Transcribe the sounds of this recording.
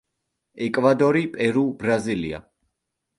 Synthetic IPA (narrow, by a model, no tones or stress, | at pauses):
ɛkʼvad̪ɔɾipʼɛɾubɾazilia̰